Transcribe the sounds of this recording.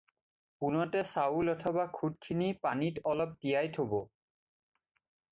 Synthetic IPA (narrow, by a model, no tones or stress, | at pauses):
punɔtɛsaulɔtʰɔbakʰud̚kʰinipanitɔlɔp̚tijajtʰobɔ